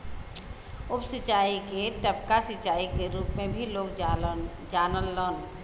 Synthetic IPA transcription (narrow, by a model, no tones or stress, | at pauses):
ʊpsɪt͡ʃaːikeʈəp̚kasɪt͡ʃaːikeɾuːpmẽbʱiloːk | d͡ʒaːnəlːəːn